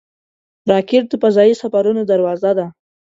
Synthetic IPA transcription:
ɾɑkɪʈ̚d̪əpazɑjisafaɾunod̪aɾwɑzad̪a

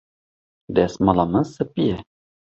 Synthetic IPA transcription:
d̪ɛsmɑlɑmənsɨpijɛ

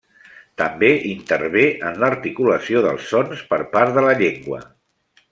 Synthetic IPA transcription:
t̪əmbeʔint̪əɾβeʔənləɾt̪ikuləsioðəlˠsːɔnspəɾpaɾðələʎeŋɡwə̰

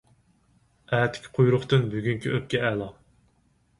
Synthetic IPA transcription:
æːt̪ʰɪ̥kʲqʰujɾʊχt̪ɨnbyɡʲyŋkʲʰiʔøp̚kʲɛɛlˠɑ

